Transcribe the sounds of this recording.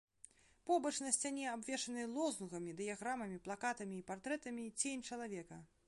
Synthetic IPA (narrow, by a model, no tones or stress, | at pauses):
pɔbɐt͡ʂn̪ɐsʲt͡sʲanʲɛabvʲɛʂɐnɨlˠɔzuɣɐmʲid̪ɨjaɣɾamɐmʲiplˠakat̪ɐmʲiːpart̪ɾɛt̪ɐmʲit͡sʲenʲt͡ʂɐlˠavʲɛkɐ